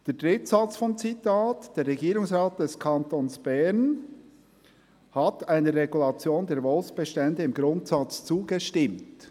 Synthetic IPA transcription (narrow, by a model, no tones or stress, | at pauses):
d̥eːd̥ʁɪtsat͡sfɔmt͡sitaːtd̥eːɾːɛɡiːɾʊŋsʁaːt̚d̥ɛskʰɑntoːnsb̥ɛn | hataɪnəːɛɡulɑt͡sjoːndeːɾvɔlsb̥ɛʃtɛndəɪmɡɾʊntsɑt͡st͡suːɡəʃtɪmt